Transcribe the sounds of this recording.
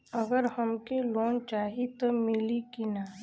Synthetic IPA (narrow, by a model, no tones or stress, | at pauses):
ɐɡəɾhɐmkeloːnt͡ʃaːɦit̪omɪlikina